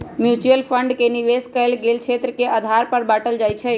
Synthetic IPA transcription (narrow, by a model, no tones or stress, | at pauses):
mjut͡ʃuəlpʰəɳɖkeniʋeskəɪlɡelt͡ʃʰet̪ɾəkeʔəd̪ʱaɾpəɾbaʈəld͡ʒajt͡ʃʰɛ